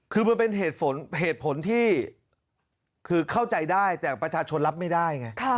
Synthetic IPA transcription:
kʰɯː˧ma˧npe˧nɦeː˨˩t̪̚pʰo˩˦nɦeː˨˩t̪̚pʰo˩˦nt̪ʰiː˥˩ | kʰɯː˧kʰa˥˩wt͡ɕa˧jdaː˥˩jt̪ɛː˨˩pɾa˧t͡ɕʰaː˧t͡ɕʰo˧nla˦˥p̚ma˥˩daː˥˩jŋa˦˥jkʰa˥

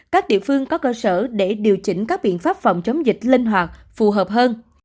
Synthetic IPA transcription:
kaː˦˥k̚ɗḭ˧˨əfɨ˧əŋkɔ˨˦kəː˧səː˧˩ɗe˧˩ɗi˨˩əwt͡ɕï˧˩ŋ̟kaː˦˥k̚ɓḭ˧˨ənfaː˦˥p̚fɔ̰˧˩wŋ͡mt͡ɕə˨˦wŋ͡mzï˨˩k̟̚lï˧ŋ̟ɦwaː˨˩tk̚fu˨˩ɦəː˨˩p̚ɦəː˧n

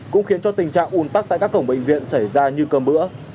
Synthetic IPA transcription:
kʊ̰˧˥ŋ͡mxi˨˦ənt͡ɕɔ˧t̪ï˨˩ŋ̟t͡ɕa̰ː˧˨ŋʔu˨˧˩nt̪a˦˥k̚ta̰ː˧˨jkaː˦˥kːə˧˩ŋ͡mɓḛ˧˨ŋ̟vḭ˧˨ənsa˧˩jzaː˧ɲɨ˧kəː˧˩mmɨ̰˧˥ə

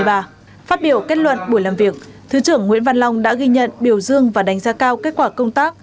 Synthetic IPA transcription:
jɓaː˧ | faː˦˥t̚ɓi˧˩əwke˦˥t̚lwə̰˧˨nɓu˧˩jlaː˨˩mvi˨˩ək̚ | t̪ʰɨ˨˦t͡ɕɨ˧˩əŋːwḭ˧˥ənva˧nla˧wŋ͡mɗa̰ː˧˥ɣi˧ɲə̰˧˨nɓi˧˩əwzɨ˧əŋvaː˨˩ɗa˨˩jŋ̟zaː˧kaː˧wke˦˥t̚kwaː˧˩kə˧wŋ͡mt̪aː˦˥k̚

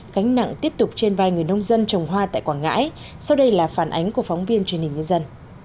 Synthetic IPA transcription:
ka˨˦ŋ̟na̰˧˨ŋt̪i˦˥əp̚t̪ʊ˨˩k͡p̚t͡ɕe˧nvaː˧jŋɨ˨˩əjnə˧wŋ͡mzə˧nt͡ɕə˨˩wŋ͡mɦwaː˧t̪a̰ː˧˨jkwaː˧˩ŋa̰ː˧˥j | sa˧wɗə˧jlaː˨˩faː˧˩nʔa˨˦jŋ̟ku˧˩əfa˨˦ŋ͡mvi˧ənt͡ɕnhi˨˩ŋ̟ɲɨ˧zə˧n

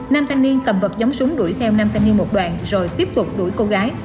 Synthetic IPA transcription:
naː˧mt̪ʰaː˧jŋni˧ənkə˨˩mvə˨˩t̚zə˨˦wŋ͡msʊ˨˦ŋ͡mɗu˧˩jt̪ʰɛ˧wnaː˧mt̪ʰa˧ŋni˧ənmo˨˩t̚ɗwa̰ː˧˨nzo˨˩jt̪i˦˥əp̚t̪ʊ˨˩k͡p̚ɗṵ˧˩jko˧ɣaː˨˦j

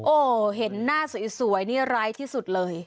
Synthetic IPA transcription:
ʔoː˨˩ɦe˨˩˦nːaː˥˩su˨˩˦jsu˩˦əjniː˥˩ɾaː˦˥jt̪ʰiː˥˩su˨˩t̪̚lɤː˧j

